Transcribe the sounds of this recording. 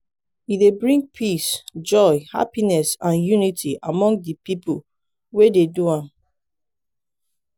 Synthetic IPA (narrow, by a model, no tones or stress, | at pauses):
idebɹĩŋɡ̚pʰisd͡ʒɔɪha̰pinɛsãnjunitʰiʔamɔ̃ŋɡdipipul | wededuãm